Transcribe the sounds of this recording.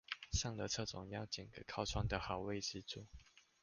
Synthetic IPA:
sɑ˥˧ŋlə˨˧t͡sʰɤ˥˩t͡sʊ˨˩˦ŋjɑ˥˧ʊt͡ɕi˨˩ŋɡə˨˧˦kʰɑ˥˩ʊt͡sʰwɑ˥ŋd̪ə˨xa˨˩˦ʊwe˥˧ɪʂ̩˥˧t͡su˥˦

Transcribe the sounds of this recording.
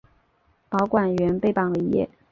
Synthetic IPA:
pɑ˧˥ʊkwa˨˩nɥɛ˧˥npe˥˩ɪpɑ˨˩ŋlə˧˥˧jɛ̰˥˩

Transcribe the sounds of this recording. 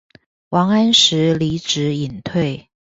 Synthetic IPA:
wʔɑ˧˥ŋa˥nʂɻ̩˧˥li˧˥ʈ͡ʂɻ̩˧˥i˨˩nt̪ʰwe˥˩ɪ

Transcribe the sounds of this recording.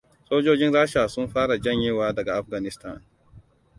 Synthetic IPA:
soː˦d͡ʒoː˦d͡ʒɪ˦nɽaː˦ʃaː˨sʊ˦mɸaː˦ɽa˨d͡ʒɐ˦˨ɲjeː˦waː˦dɐ˨ɡa˨ʔa˦ɸɡa˨nɪ˦sta˦˨n

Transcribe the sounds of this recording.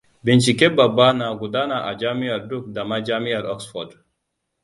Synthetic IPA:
bi˨nt͡ʃi˨ke˦ba˨ba˦na˨ɡu˨da˦na˨ʔa̰˨d͡ʒa˦mi˦a˨ɾdu˦k̚da˨ma˦d͡ʒa˦mi˦a˨ɾɔ˦ksfɔ˨d

